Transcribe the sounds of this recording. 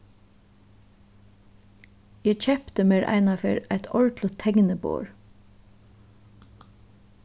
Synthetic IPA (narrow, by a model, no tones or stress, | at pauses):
jæt͡ʃʰɛpt̪əmeːɹʔæ̰ɪnɑfḛːɹæɪt̪ʰɔɹt̪lət̪ʰːɛŋnəbo̰ːɹ